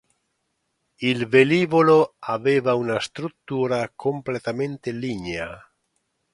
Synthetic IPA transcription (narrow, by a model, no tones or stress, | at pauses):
ilbeliβoloaβeβaunaest̪ɾut̪ːuɾakʰomplet̪amẽnt̪eliɲea